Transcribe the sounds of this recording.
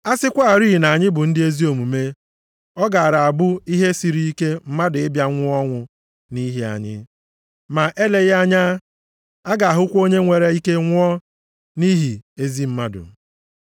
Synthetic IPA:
a˦sɪ˦kʷa˦˨ɾi˦˨na˨ɲɪ˦bʊ˨n̩˦dɪ˦e˦zi˦o˨mu˨me˦ | ɔ˦ɡa˨a˨ɾa˨a˨bʊ˦i˦ɦe˦si˨ɾi˦i˦ke˦m̩˦ma˦dʊ˨ɪ˦bja˦ŋʷʊ˦ɔ˦ŋʷʊ˨ | ni˦ɦi˦a̰˨ɲɪ̰˦ | ma˨ʔe˦le˨ɣa˦ɲa˦ | a˦ɡa˨a˨ɦʊ˦kʷo˦ɲe˦ŋʷe˨ɾe˦i˦ke˦ŋʷʊ˦ɔ˦ | ni˦ɦi˨e˦zi˦m̩˦ma˦dʊ̰˨

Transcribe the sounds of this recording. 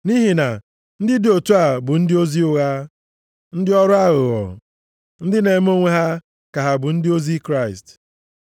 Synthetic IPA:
ni˦ɦi˨na˨ | n̩˦dɪ˦dɪ˨o˨tu˦a˨bʊ˨n̩˦dɪ˦o˦zi˦ʊ˨ɣa˦ | n̩˦dɪ˦ɔ˦ɾʊ˦a˦ɣʊ˨ɣɔ̰˨ | n̩˦dɪ˦ne˨˦m˦o˦ŋʷe˦ɦa˦ | ka˨ɦa˨bʊ˨n̩˦dɪ˦o˦zi˦kɾa˦ɪ˨st

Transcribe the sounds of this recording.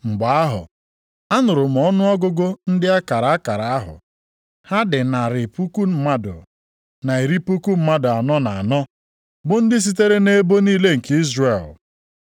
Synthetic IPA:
ŋ͡m̩˨ɡ͡ba˨a˦ɦʊ̰˨ | a˦nʊ˨ɾʊ˨m̩˨ɔ˦nʊ˦ɔ˦ɡʊ˦ɡo˦n̩˦dɪ˦a˦ka˨ɾa˨a˦ka˨ɾa˨a˦ɦʊ̰˨ | ha˦dɪ˨na˨ɾɪ˨pu˦ku˦m̩˦ma˦dʊ̰˨ | na˨e˨ɾi˦pu˦ku˦m̩˦ma˦dʊ˨a˨nɔ˦na˨a˨nɔ˦ | bʊ˨n̩˦dɪ˦s̬i˦t̬e˦ɾe˦ne˦bo˦niː˦le˦ŋ̩˨ki˦zre˨l

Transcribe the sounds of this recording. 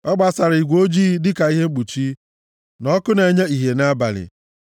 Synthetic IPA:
ɔ˦ɡ͡ba˦sa˨ɾi˨ɡʷo˦d͡ʒiː˦dɪ˦ka˨i˦ɦe˦ŋ͡m̩˦k͡pu˨t͡ʃi˦ | nɔ˦kʊ˦ne˨ɲe˦i˨ɦe˨na˦ba̰˨lɪ̰˨

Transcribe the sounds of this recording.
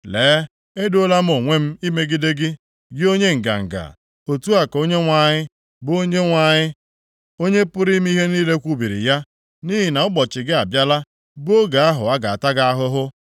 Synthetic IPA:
leː˨˦ | e˦do˦la˦m̩˦o˨ŋʷe˦m̩˦i˦me˦ɡɪ˦de˦ɡɪ˦ | ɡɪ˦o˦ɲe˦ŋ̩˨ɡa̰˨ŋ̩˨ɡa̰˨ | o˨tu˦a˨ko˦ɲe˦ŋʷa˨ɲɪ˦ | bo˦ɲe˦ŋʷa˨ɲɪ˦ | o˦ɲe˦pʊ˦ɾi˦m˦i˦ɦe˦niː˦le˦kʷu˦bi˨ɾḭ˨ja˦ | ni˦ɦi˨na˨ʊ˦ɡ͡bɔ˨t͡ʃɪ˨ɡɪ˦a˨bja˦la˦ | bʊ˦o˦ɡa˨a˦ɦʊ̰˨a˦ɡa˨a̰˨ta˦ɡa˦a˦ɦʊ˦ɦʊ˦

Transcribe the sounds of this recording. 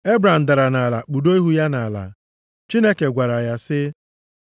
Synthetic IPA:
e˦bɾa˨m̩˨da˨ɾa˨na˨la˨k͡pu˨do˦i˦ɦu˦ja˦na˨la̰˨ | t͡ʃi˦ne˦ke˨ɡʷa˨ɾa˨ja˦sɪ˦

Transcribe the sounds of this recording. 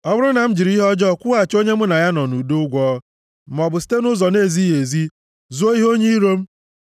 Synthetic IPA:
ɔ˦bʊ˦ɾʊ˦na˨m̩˦d͡ʒi˨ɾi˦ɦɔ˦d͡ʒɔ˦˨kʷu˦a˨t͡ʃo˦ɲe˦mʊ˦na˨ja˦nɔ˨nu˨do˦ʊ˦ɡʷɔ˦ | m̩˨mɔ˨bʊ˨si̥˦te˦nʊ˦zɔ˨ne˦˨zi˦ɦe˨zi˦ | zu˦o˦i˦ɦo˦ɲe˦i˦ɾo˦m̩˦

